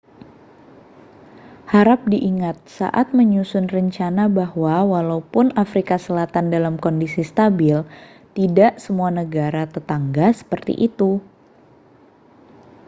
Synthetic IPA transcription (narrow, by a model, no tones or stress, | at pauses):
haɾap̚diʔiŋat̪̚sa̰ʔat̪̚məɲusʊnrəɲt͡ʃanabahwawalaupʊnafɾikasəlat̪andalamkɔndisist̪abɪl | t̪idaʔsəmuanəɡaɾat̪ət̪aŋɡasə̥pərt̪ḭʔit̪u